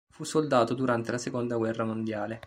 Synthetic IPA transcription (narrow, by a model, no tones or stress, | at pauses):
fusːold̪aːt̪od̪uɾant̪elasekond̪aɡwɛrːamond̪jaːle